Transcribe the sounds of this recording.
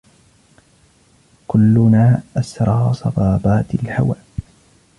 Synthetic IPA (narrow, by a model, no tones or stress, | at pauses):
kʊlːʊnaːʔasɾˤɑːsˤɑ̰bɑːbaːt̪ɪlha̰waːʔ